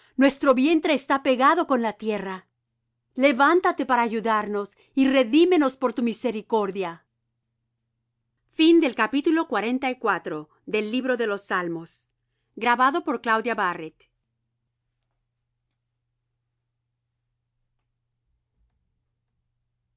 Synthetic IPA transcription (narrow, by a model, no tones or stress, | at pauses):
nwe̞st̪ɾo̞βje̞nt̪ɾe̞ːst̪ape̞ɣaðo̞ko̞nlat̪je̞ra | le̞βant̪at̪e̞paɾaːʝuðaɾno̞s | ire̞ðime̞no̞spo̞ɾt̪umise̞ɾiko̞ɾðja | find̪e̞lkapit̪ulo̞kwaɾe̞nt̪aikwat̪ɾo̞ | ðe̞lːiβɾo̞ðe̞lo̞sːalmo̞s | ɡɾaβaðo̞po̞ɾklawðjaβaret̪